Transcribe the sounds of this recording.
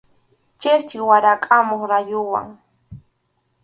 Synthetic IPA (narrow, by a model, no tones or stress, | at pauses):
t͡ʃeɾt͡ʃɪwaɾakʼamoχɾajʊwa̰ŋ